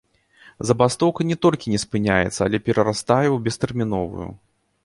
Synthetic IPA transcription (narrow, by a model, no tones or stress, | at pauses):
zɐbast̪ɔwkɐnʲɛt̪ɔlʲkʲinʲɛspɨnʲajɛ̰t̪sːɐalʲɛpʲɛɾɐɾast̪ajɛwbʲɛst̪ɛrmʲinɔvṵjṵ